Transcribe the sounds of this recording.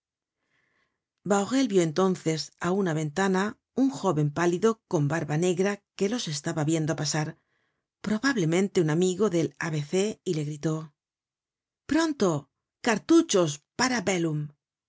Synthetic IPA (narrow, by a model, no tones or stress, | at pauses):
bawɣe̞lβjoe̞nt̪o̞nθe̞saunaβe̞nt̪ana | uŋxo̞βe̞mpaliðo̞ko̞mbaɾβane̞ɣɾake̞lo̞se̞st̪aβaβje̞nd̪opasaɾ | pɾo̞βaβle̞mẽnt̪e̞unamiɣo̞ðe̞la̰βe̞θe̞ile̞ɣɾit̪o̞ | pɾo̞nt̪o̞ | kaɾt̪ut͡ʃo̞spaɾabelum